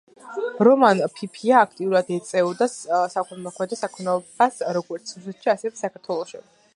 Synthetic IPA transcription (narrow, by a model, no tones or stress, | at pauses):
ɾɔmanpʰipʰiaːkʰt̪ʼiuɾad̪ɛt̪sʼɛɔd̪assakʰɔmɔkʰmɛd̪ɾɔsakʰɔnɛɔbasɾɔɡɔɾt̪sʰusɛt̪ʃiasɛvɛsakʰaɾt̪ʰwɛlˠɔʃḭ